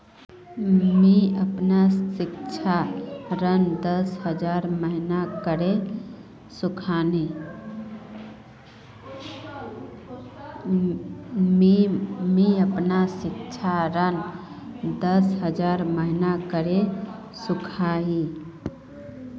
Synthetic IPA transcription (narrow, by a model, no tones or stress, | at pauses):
miəpnasɪk̚t͡ʃʰaɾənd̪əsɦəd͡ʒaɾməɦinakəɾe | sukʰani | m | miəpnasɪk̚t͡ʃʰaɾən | d̪əsɦəd͡ʒaɾməɦinakəɾe | sukʰaɦi